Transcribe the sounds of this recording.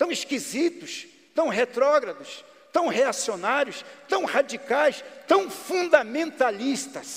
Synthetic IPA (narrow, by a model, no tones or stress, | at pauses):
t̪ɐ̃w̃iskizit̪ʊs | t̪ɐ̃w̃ɦet̪ɾɔɡɾɐd̪ʊs | t̪ɐ̃w̃heasionaɾjʊst̪ɐ̃w̃had͡ʒikajst̪ɐ̃w̃fũnd̪ɐmẽnt̪alist̪ɐs